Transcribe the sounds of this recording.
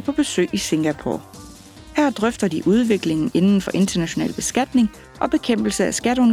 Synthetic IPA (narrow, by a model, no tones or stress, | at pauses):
pʰɒ̽b̥e̝sø̰ːise̝ŋɡ̥æpʰo̰ | hæɐ̰d̥ʁœfd̥ɐd̥iʔuð̞ˠʋe̝ɡ̥le̝ŋn̩e̝nn̩fɒ̽ʔe̝nd̥ɐnæɕo̝nɛ̰ːlb̥e̝sɡ̥æd̥ne̝ŋ | ʔɒ̽b̥e̝kʰem̰b̥l̩səæsɡ̥æɾɔ̽n